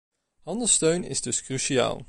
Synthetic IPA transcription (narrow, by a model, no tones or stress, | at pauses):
hɑndəlˠstøɥnɪ̰zdɵskryʃia̰ːlˠ